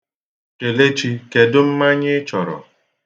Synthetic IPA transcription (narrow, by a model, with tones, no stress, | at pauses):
t͡ʃe˨le˦t͡ʃi˦ke˨dʊ˦m̩˦ma˦ɲɪ˦t͡ʃɔ˨ɾɔ̰˨